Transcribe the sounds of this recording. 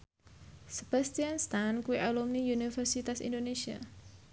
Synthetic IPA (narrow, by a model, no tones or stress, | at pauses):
səb̥ast̪ianst̪ankuwiʔalumnijunifərsit̪asḭndonesia̰